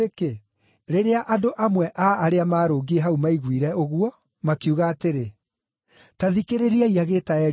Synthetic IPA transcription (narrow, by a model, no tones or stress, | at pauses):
eke | ɾeɾeaʔadoʔamwɛʔaːɾeamaːɾoːɡieɦaumaiɣwiɾɛoɣuɔ | makiuɣaːteɾe | taðikeɾeɾiaiaɣeːtaɛɾ